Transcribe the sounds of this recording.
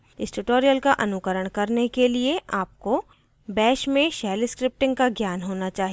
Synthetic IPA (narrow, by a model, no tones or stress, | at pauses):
ɪsʈuʈoːɾijəlkaʔɐnʊkəɾəɽ̃kɐɾnekelieaːp̚ko | bɛːʃmẽʃɛːlɪskɾɪp̚ʈɪ̃ŋɡkaɡjaːnɦoːnat͡ʃaːɦie